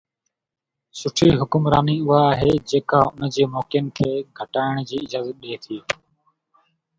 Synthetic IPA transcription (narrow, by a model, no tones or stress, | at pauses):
sʊʈʰiːɦʊkʊmɾa̰ːniːʊɦaːɦeːd͡ʑeːkaːʊnd͡ʑeːmoːkɪjənkʰeːɡʱəʈaːɪɽ̃d͡ʑiːɪd͡ʒaːzət̪̚ɗeːt̪ʰiː